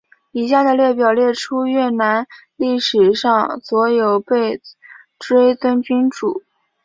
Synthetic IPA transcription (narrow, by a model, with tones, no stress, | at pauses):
i˨˩ɕja˥˩d̪ə˩ljɛ˥˩pjɑ˨˩ʊljɛ˥˩ʈ͡ʂʰu˥ɥɛ˥˩na˧˥nli˥˩ʂɻ̩˨˩ʂɑ˥˧ŋswɔ˧˥jo˨˩ʊpe˥˩ɪ | ʈ͡ʂwe˥ɪt̪ə˥nt͡ɕy˥ŋʈ͡ʂu˨˩˦